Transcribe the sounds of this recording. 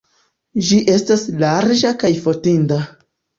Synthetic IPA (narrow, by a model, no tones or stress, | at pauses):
d͡ʒiʔe̞staslaɾd͡ʒakajfotinda